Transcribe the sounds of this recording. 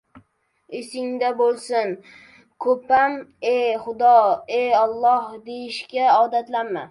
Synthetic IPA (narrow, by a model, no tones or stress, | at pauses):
esɪŋd̪abolˠsɪn | kʰɵpamejχʊd̪ɒejɑlˠːɒhd̪ejɪʃkʲaɒd̪at̪lanma̰